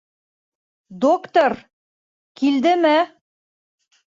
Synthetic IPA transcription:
d̪okt̪oɾ | kild̪ɘmɘ

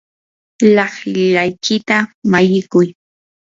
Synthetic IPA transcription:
lɑhɪʎajkɪt̪amajɪkʊj

